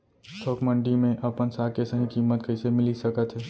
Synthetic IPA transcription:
t̪ʰoːkmə̃ɳɖimẽʔɐpənsaːkesəɦĩkiːmət̪kɐsemɪlisɐkət̪ɦɛː

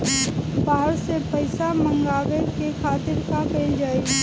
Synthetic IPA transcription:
baːɦəɾsepɐɪsamə̃ŋɡaːʋeɾkekʰaːt̪ɪɾkapeːld͡ʒaːiɡi

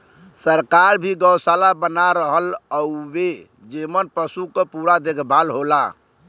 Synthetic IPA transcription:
səɾkaɾbʱiɡəwsalabənaɾəɦələwe | d͡ʒemənpəsukəpuɾad̪ekʰbʱalɦola

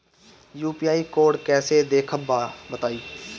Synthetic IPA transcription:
juːpiːaːikoːɖkɛːsed̪eːkʰəbət̪aːiː

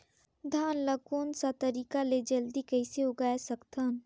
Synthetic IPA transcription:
d̪ʱaːnləkoːnsat̪əɾiːkaled͡ʒəld̪ikəɪseʊɡaːesɐkt̪ʰan

